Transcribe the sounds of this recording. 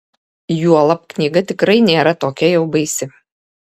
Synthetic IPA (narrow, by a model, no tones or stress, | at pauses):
juɔlˠɐpknʲiːɡɐt̪ʲɪkɾɐɪnʲeːɾɐt̪oːkʲɛjɛʊbɐɪsʲɪ